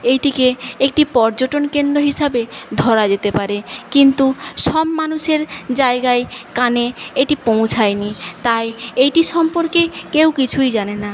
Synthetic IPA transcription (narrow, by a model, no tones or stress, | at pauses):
ejʈikeek̚ʈipɔɾd͡ʑoʈonkend̪ɾoɦiʃabed̪ʱɔɾad͡ʑet̪epaɾekint̪uʃɔbːanuʃeɾd͡ʑaeɡaekaneejʈipõw̃t͡ɕʰajnit̪ajejʈiʃɔmpoɾkekewkit͡ɕʰujd͡ʑanena